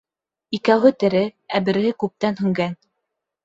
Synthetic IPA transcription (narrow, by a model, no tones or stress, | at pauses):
ikæwɦɘt̪ɘ̆ɾɘæbɘ̆ɾhɘkʉp̚t̪ænɦɵ̆ŋɡæn